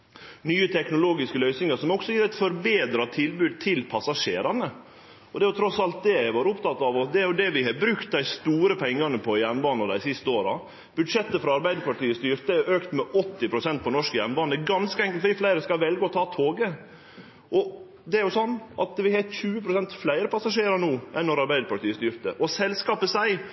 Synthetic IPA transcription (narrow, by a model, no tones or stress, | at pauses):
nyːət̪ʰɛknʊloːɡɪskəlœʏsnɪŋəɾsɔmɔksɔjiːɾɛɪt̪fɔɾbeːd̪ɾɑt̪ʰɪlbʉːd̪̚t̪ʰɪlpʰɑsɑʂeːɾɑnə | ɔd̪ɛæjʊt̪ʰɾɔsɑlt̪̚d̪ɛæɪʋɑːɾʊpt̪ɑt̪ːɑʋɔsd̪ɛæɾjʊd̪ɛʋɪɦɑbɾʉkt̪̚d̪æɪst̪uːɾəpʰɛŋːɑnəpʰɔjæɾnbɑːnɑd̪æ̰ɪsɪst̪əoːɾɑ̰ | b̥ʉd̪ʂɛt̪ːəfɾɑɑɾbæɪd̪əpɑʈiːəst̪yːɾt̪əæɾʔøːkt̪mɛʔɔt̪ːɪpʰɾʊsɛnt̪̚pʰɔnɔʂkjænbɑːnɛɡɑnskəɛŋkəlt̪fɔdɪflæɪɾəskɑʋɛlɡəɔt̪ʰɑːt̪ʰoːɡə | ʔɔ | d̪ɛæɾjʊsɔnːʔɑt̪ʋɪhɑt̪çʉːəpʰɾʊsɛnt̪flæɪɾəpɑsɑʂeːɾɑnuːʔɛnːɔɾɑɾbæɪd̪əpʰɑʈʰiːəst̪yːɾt̪ə̰ʔɔsɛlskɑːpəsæɪ